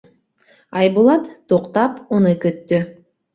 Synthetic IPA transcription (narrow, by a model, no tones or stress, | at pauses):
ɑjbulˠɑt̪t̪oqt̪ɑponɯkøt̪ːy